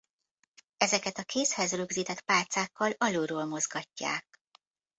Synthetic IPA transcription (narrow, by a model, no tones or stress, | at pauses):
ɛzɛkɛt̪ɒkʰeːshɛzrøɡziːt̪ɛt̪paːt̪saːkːɒlɒloːɾoːlmo̞zɡɒcːa̰ːk̚